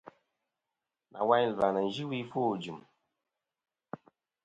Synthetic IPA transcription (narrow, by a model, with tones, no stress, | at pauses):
na̰˨wa˦ɲ˦lva˨nə˨n˨d͡ʒi˦wi˦fo˦˨d͡ʒu˨m